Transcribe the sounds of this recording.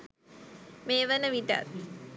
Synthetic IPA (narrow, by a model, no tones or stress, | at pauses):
meːʋənəʋiɖa̰t̪